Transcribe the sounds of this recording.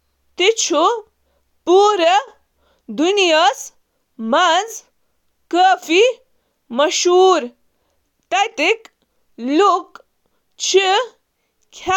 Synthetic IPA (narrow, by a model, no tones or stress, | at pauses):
t̪it͡ʃʰu | puːɾɐ | d̪unijas | mɐd͡z | kəːfi | mɐʃuːɾ | t̪ɐjt̪ik | luk | t͡ʃʰi | kʲʰa